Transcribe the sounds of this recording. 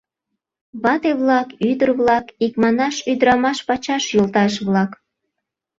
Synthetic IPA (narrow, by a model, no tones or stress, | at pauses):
βɑt̪eβlɑkyd̪ərβlɑkikmɑnɑʃyd̪əɾɑmɑʃpɑt͡ɕɑʃjolt̪ɑʃβlɑk